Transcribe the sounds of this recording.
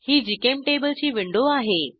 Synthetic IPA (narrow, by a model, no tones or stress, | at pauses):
hiːd͡ʑɪkemʈeːbəld͡ʑiːʋɪ̃ɳɖoaːɦeː